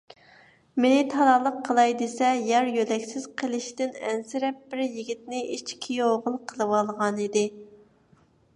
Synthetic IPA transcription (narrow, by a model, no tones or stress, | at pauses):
menɪt̪ʰɑɾɑlˠəqʰːəlˠɑjd̪esɛjɑɾjølɛkʲsɪz̥qʰəlˠɪʃt̪ɪnɛ̰nsɪɾɛp̚bɪɾjiɡʲit̪̚nɪʔit͡ʃkʲʰijoʁʊlˠqʰəlˠɨwɑlˠʁɑnid̪ɪ